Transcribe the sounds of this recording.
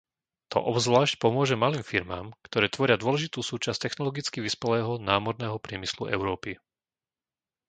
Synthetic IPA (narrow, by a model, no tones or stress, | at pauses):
t̪ɔ̰ʔɔbzʋlaːʃcpɔmʊɔʒɛmaliːmfiɾma̰ːmkt̪ɔɾɛːt̪ʋɔɾɪad̪ʊɔlɛʒit̪uːsuːt͡ʃast̪ɛxnɔlɔɡit͡skiʋispɛlɛːɦɔnaːmɔɾnɛːɦɔpɾɪɛmislṵɛ̰ʊɾɔːpi